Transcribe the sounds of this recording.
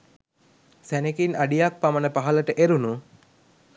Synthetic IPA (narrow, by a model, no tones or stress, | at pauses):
sænekinaɖijak̚pamənəpaɦaləʈəʔeɾunu